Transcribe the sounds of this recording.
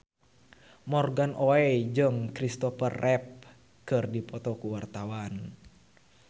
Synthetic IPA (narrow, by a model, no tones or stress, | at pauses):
mɔrɡanʔɔɛd͡ʒɨŋkɾist̪ɔfərɛp̚ | kɨrdipɔt̪ɔkuwart̪awan